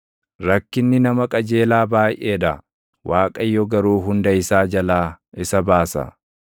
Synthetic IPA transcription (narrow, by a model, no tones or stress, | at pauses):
ɾɐkːɪnːɪnɐmɐkʼɐd͡ʒe̞ːlaːbaːjʔeːd̪ɐ | wʔaːkʼɐjːɔɡɐɾuːɦʊnd̪ɐɪsaːd͡ʒɐlaː | ɪsɐbaːsɐ̰